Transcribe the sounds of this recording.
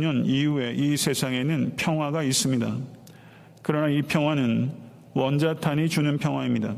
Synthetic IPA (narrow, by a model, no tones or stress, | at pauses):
ɲʌnijue̞ʔisʰe̞sʰaŋe̞nɯnpʰjʌŋɦwaɡais͈ɯmɲida | kɯɾʌnaipʰjʌŋɦwanɯn | wʌnd͡ʑatʰaɲit͡ɕunɯnpʰjʌŋɦwaimɲida